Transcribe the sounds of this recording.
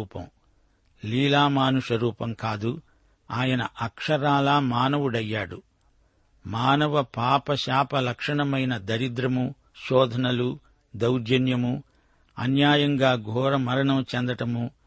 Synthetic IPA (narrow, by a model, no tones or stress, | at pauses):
uːpɐ̰m | liːlaːmaːnuʂɐɾuːpɐmkaːd̪u | aːjɐnɐʔɐkʂɐɾaːlaːmaːnɐʋuɽɐjːaːɽu | maːnɐʋɐpaːpɐʃaːpɐlɐkʂɐɳɐmɐjnɐd̪ɐɾid̪ɾɐmu | ʃɔːd̪ʱɐnɐlu | d̪ɐwd͡ʒɐnjɐmu | ɐ̰njaːjɐŋɡaːɡʱɔːɾɐmɐɾɐɳɐmt͡ʃɛnd̪ɐʈɐmu